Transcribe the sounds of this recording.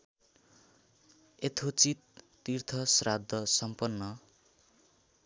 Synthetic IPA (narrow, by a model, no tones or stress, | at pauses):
et̪ʰot͡sit̪ː | irt̪ʰʌsrad̪ʱːʌsʌmpʌnːʌ